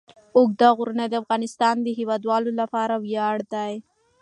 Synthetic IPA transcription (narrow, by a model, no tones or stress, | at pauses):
ʊɡ̚d̪aɣʊɾunad̪əafɣɑnɪst̪ɑnd̪əɦɪwɑd̪wɑlolapɑɾawjɑɽd̪aj